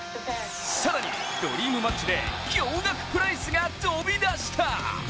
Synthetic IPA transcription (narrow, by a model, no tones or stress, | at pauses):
saɾaɲ̟ḭd̪̥o̞̰ɾʲiːmɯ̟mat͡ɕid̪e̞̰kʲoːõŋɡakɯ̟̥pɯ̟ɾaisɨɡat̪obʲid̪aɕi̥t̪ʰa